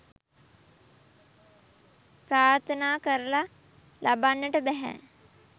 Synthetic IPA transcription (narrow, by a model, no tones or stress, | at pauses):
pɾaːɾt̪ʰənaːkəɾəla | lʔabanːəʈəbɛɦæ̰